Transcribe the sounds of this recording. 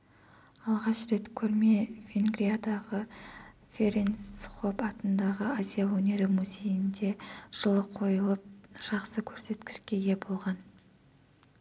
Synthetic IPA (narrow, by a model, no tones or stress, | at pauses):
ɑlˠʁɑʃɾe̞t̪kʲʰɵɾme̞vʲeŋɡɾijad̪ɑʁə | fʲe̞ɾensχo̞pɑt̪ənd̪ɑʁəazʲijawɵne̞ɾɪmuzʲe̞jɪnd̪e̞ʒ̥əlˠəqʰːo̞jəlˠəp̚ʒ̥ɑqsəkʲʰɵɾse̞t̪kʲɪ̥ʃkʲe̞je̞bo̞lˠʁɑn